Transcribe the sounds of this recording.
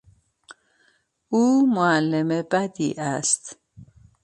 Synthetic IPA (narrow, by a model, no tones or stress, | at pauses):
uːmʊalːemebad̪ḭʔast̪